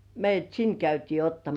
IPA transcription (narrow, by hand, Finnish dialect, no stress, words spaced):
meijˑæt sin kæytiː otːɑmɑs